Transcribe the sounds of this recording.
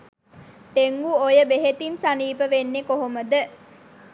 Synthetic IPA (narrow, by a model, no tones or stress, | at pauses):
t̪eŋɡuojəbeɦet̪insaniːpəʋenːekoɦoməd̪ə